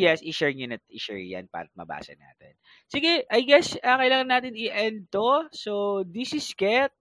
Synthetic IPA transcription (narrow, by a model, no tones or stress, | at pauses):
jɛsʔɪʃɛɹɲonɐt̪̚ʔɪʃɛ̰ɹjɐ̰npa̰ːɾɐt̪̚mɐ̰ba̰ːsɐ̰na̰ːt̪ɛn | siɡɛʔɐjɡɛsɐkɐʔɪlaːŋɐnːaːt̪ɪnɪʔɛnt̪osod̪isɪskɛt̪̚